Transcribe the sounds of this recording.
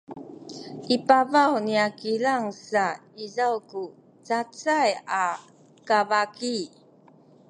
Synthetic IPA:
ʔipavawniakilaŋsaizawku | t͡sat͡saja | kavaki

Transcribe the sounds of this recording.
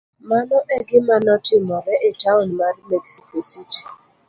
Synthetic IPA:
manɔʔɛɡɪmanɔtɪmɔɾɛʔetaʊnmaɾɪmeksikositi̥

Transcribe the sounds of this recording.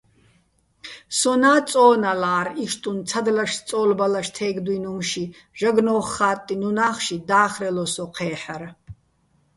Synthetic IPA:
sɔnaːt͡sʼɔːnalaːɾiʃt̪ʼunt͡sʰad̪laʃst͡s̪ʼɔːlbalaʃt̪ʰɛːɡd̪uinumʃi | ʒ̥aɡnɔːχːaːt̪ʼːinunaːχʃid̪aːχrɛlɔsɔqʰɛːħar

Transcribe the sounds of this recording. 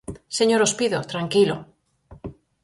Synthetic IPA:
seɲoɾospiðot̪ɾaŋkilo

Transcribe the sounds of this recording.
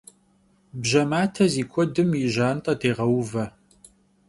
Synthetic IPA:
bʒɐmaːtʰɐziːkʷʰɔdɨmiʒaːntʼɐtʰeːʁɐwvɐ

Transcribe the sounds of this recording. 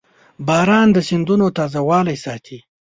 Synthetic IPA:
bɑɾɑnd̪əsɪnd̪unot̪ɑzawɑlajsɑt̪ʰi

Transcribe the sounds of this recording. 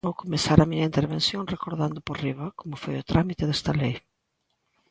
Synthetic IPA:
okomesaɾɐmiɲɐint̪eɾβensjoŋrekoɾðand̪ʊporiβɐkomʊfojʊt̪ɾʔamit̪eðest̪ɐlej

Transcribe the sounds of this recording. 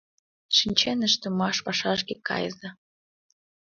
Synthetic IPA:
ʃinʲt͡ɕenəʃt̪ə̆mɑʃpɑʃɑʃ̬kekɑ̰jzɑ

